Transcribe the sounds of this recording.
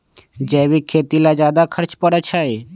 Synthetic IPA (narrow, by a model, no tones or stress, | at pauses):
d͡ʒɛːʋikʰeːt̪ilad͡ʒjaːd̪akʰəɾt͡ʃpəɽət͡ʃʰae